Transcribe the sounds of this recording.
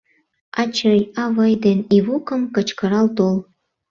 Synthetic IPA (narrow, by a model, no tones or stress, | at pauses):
ɑt͡ɕəjɑβəjd̪eniβukəmkə̆t͡ɕkəɾɑlt̪ol